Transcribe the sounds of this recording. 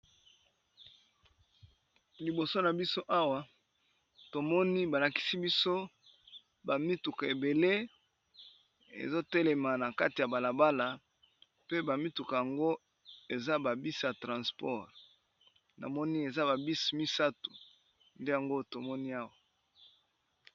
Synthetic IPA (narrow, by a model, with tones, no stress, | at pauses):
li˨bo˨so˦na˨bi˦so˦ʔa˦wa˦ | to˨mɔ˦ni˦ba˨la˨ki̥˨si˦bi˦so˦ | ba˨mi˦tu˨ka˨e˨be˨le˦ | ḛ˨zo˦te˦le˨ma˨na˨ka˦ti˨ja˨ba˨la˨ba˦la˨ | pe˦ba˨mi˦tu˨ka˨ja˨ŋɡo˦ | e˨za˦ba˨bi˦sja˨tʁã˨spɔ˦ʁ | na̰˨mɔ˦ni˦e˨za˦ba˨bi˦smi˦sa˦tu̥˨ | nde˦ja˨ŋɡo˦to˨mɔ˦ni˦a˦wa˨